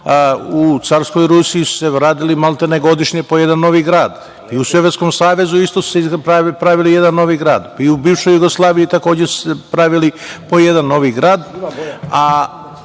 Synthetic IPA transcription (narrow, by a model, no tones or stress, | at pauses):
ut̪saɾsko̞jɾusijisu̥seʋɾaːd̪ilimalˠt̪eneɡo̞d̪iʃɲepo̞je̞d̪anːo̞ʋiɡɾaːd̪ | iusʋoʋesko̞msaːʋe̞zuist̪osu̥seiapɾaʋilije̞d̪anːo̞ʋiɡɾaːd̪iubiːʋʃojuɡoslˠaːʋijit̪ako̞ːd͡ʑesu̥sepɾaʋilipo̞jed̪anːo̞ʋiɡɾaːd̪ | a